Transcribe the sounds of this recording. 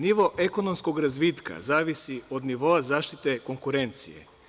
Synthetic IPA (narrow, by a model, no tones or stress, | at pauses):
niʋo̞ʔeko̞nomsko̞ɡɾazʋit̪ka̰zaːʋisio̞d̪niʋo̞azaːʃt̪it̪e̞ko̞ŋkuɾe̞nt̪sḭjḛ